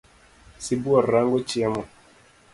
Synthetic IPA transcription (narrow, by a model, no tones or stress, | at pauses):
sibuaɾaŋɡɔt͡ʃiamɔ